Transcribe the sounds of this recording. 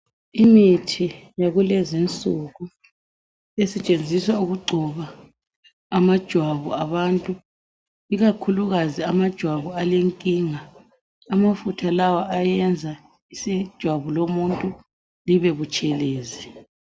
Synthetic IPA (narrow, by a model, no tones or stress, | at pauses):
imitʰijaɣulezint͡sʼuɣu | esɛt͡ʃʼend͡zʱiswauɣuɡ͡ǀʱuβaː | mad̥ʒ̥ʱwaβṵaβantʼu | iɣakʰuluɣaziamad̥ʒ̥ʱwaβualeŋkʼiːŋaː | mafutʰalawaajɛnd͡zʱa | isid̥ʒ̥ʱwaβulomuntʼu | liβɛβut͡ʃʼɛleːzi